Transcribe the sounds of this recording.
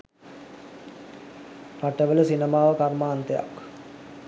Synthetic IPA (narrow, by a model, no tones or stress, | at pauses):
paʈəʋələsinəmaːʋəkarmaːnt̪əja̰k